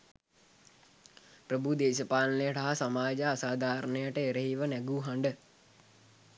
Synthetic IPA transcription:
pɾəbʱud̪eːʃəpaːlnəjəʈaɦasamaːd͡ʒəasaːd̪ʱaːɾənəjəʈəeɾəɦiʋənɛɡuːɦaɳɖə

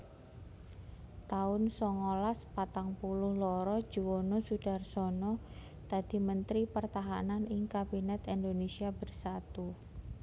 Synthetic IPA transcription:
t̪aʊnsɔŋɔlaspat̪aŋpulʊhlɔɾɔd̥ʒ̥uwonɔsud̥a̤rsɔnɔ | t̪ad̪̥i̤mənt̪ɾipərt̪aɦa̰nanɪŋkabinɛt̪ind̪onesiab̥ərsat̪u

